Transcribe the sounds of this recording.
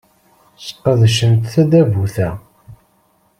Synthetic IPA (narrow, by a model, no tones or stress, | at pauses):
sə̥qːəðʃənt̪θæd̪ævuθæ